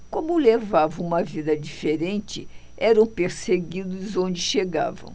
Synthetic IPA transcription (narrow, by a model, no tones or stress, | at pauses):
kõmʊlevavɐ̃ũmɐvid̪ɐd͡ʒifeɾẽnt͡ʃɪ | ɛɾɐ̃w̃peɾseɡid̪ʊzõd͡ʒɪʃeɡa̰vɐ̰̃w̃